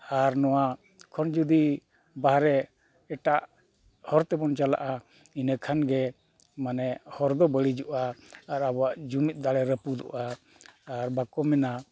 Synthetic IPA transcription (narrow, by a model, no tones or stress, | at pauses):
aɾnɔwa | kʰɔnd͡ʒud̪i | baɦɾɛ | ɛʈaʔ | hɔɾt̪ɛbɔnt͡ʃala̰ʔa | inəkʰanɡɛ | manɛhɔɾd̪ɔbəɽid͡ʒuʔaːɾabɔwaʔd͡ʒumit̪̚ˀd̪aɽɛɾəpud̪ɔ̰ʔaː | ɾbakɔmɛna